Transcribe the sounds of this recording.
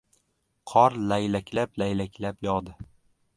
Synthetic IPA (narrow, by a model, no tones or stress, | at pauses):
qʰɒɾlajlakʲlaplajlakʲʰlapjɒd̪ɪ